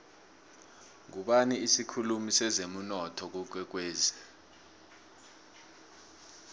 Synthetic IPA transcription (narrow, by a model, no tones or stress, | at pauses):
ŋuɓaniisikʰulumisɛzem̩nɔtʰɔk̬uk̬wɛk̬weːzi